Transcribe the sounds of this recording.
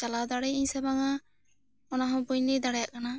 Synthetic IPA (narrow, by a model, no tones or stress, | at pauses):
t͡ʃalad̪aɽɛjiɲsɛbaŋa | ɔnaɦɔ̃puɲnid̪aɽɛjaʔkana